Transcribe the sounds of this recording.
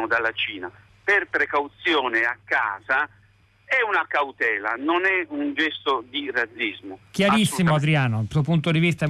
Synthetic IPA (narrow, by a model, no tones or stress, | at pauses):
d̪alat͡ʃiːna̰ | perpɾekawt̪sjɔːneakːaːza | ɛunakawt̪ɛːla̰nonɛund͡ʒɛst̪od̪irat̪zːizmoʊk̟jaɾisːimoad̪ɾiaːnosuopunt̪od̪ivist̪a